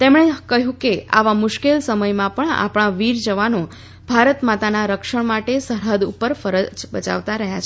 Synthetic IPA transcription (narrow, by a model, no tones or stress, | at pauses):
t̪emɳ̃ekəɦjũkea̰ʋamʊʃkelsəməjmãpəɳa̰pɳ̃ãʋiɾd͡ʒəʋano | bʱaɾət̪mat̪anaɾəkʃəɳmaʈesəɾɦəd̪ṵpəɾfəɾəd͡ʒbət͡ʃa̰ʋt̪aɾəɦjat͡ʃʰe